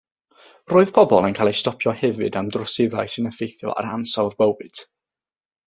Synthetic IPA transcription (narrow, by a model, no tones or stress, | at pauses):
roːɨð̥pʰɔbɔlˠɛnkʰaːlˠejstɔpʰjɔhɛvɨdamdrɔsɪða̰jsɨnəfejθjɔ̰a̰ɾansawˠðbəwɨd̥